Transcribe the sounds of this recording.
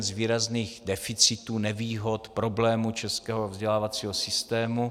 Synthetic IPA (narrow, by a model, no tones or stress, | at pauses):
nzviːɾazniːɣdɛfɪt͡sɪt̪uːnɛviːɦo̞t̪pɾo̞blɛːmut͡ʃɛskɛːɦovzɟɛlaːvat͡siːɦosɪst̪ɛːmu